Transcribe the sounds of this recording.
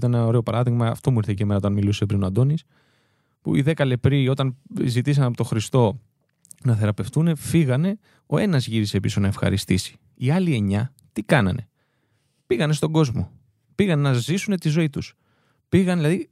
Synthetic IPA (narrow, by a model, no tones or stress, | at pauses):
t̪ɐneo̞ɾe̞o̞pɐɾɐðiɣmɐ̰ːft̪o̞muiɾθeceme̞nɐoɐnmiluse̞pɾinoɐnd̪o̞nis | pṵḭðe̞kɐle̞pɾio̞t̪ɐnzit̪is̬ɐnɐpot̪o̞xɾist̪o̞ | nɐθe̞ɾɐpe̞ft̪une̞fiɣɐne̞ | o̞e̞nɐzʝiɾisepisonɐe̞fxɐ̰ɾist̪isi̥ | iɐlie̞ɲɐ | t̪ikɐnɐ̰ne̞ | piɣɐne̞st̪o̞ɡo̞zmo̞̰ | piɣɐnenɐzisune̞t̪izo̞it̪us | piɣɐnðilɐði